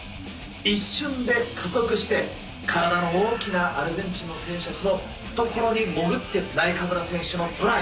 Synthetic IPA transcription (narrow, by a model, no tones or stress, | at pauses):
iɕːɨ̃nd̪e̞kʰako̞kɯ̟ɕi̥t̪e̞ | kʰaɾad̪ano̞oːkʲinaʔaɾɯbẽɲ̟t͡ɕino̞sẽ̞ːɕat͡sɨno̞ | ɸɯ̥t̪o̞ko̞ɾo̞ɲ̟imo̞ɡɯ̟t̪ːe̞naikakɯnasẽ̞ɰ̃ɕɨno̞t̪ʰoɾai